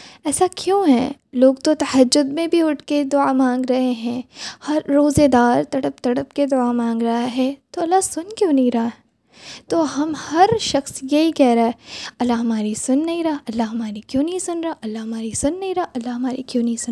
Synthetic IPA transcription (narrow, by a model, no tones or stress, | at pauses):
ɛːsakjõːɦɛ̰̃loːɡt̪ot̪ɐhɐd͡ʒːʊd̪mẽbʱiʊʈʰked̪ʊamãːŋɡɾɐɦeɦɛ̃ːhɐɾːoːzed̪aːɾt̪ɐɽəp̚t̪ɐɽəpked̪ʊamãːŋɡɾɐɦaɦɛt̪oɐlːasʊnkjõːnɐɦĩɾɐɦaɦɛ | t̪oːɦɐmhɐɾʃɐxsjɐɦikɛːɦɾaaɛɐlːaɦɐmaːɾisʊnːɐɦĩɾɐaɐlːaɦɐmaːɾikjõːnɐɦĩsʊnɾɐaʔɐlːaɦɐmaːɾisʊnːɐɦĩɾɐaʔɐlːaɦɐmaːɾikjõːnɐɦĩsʊn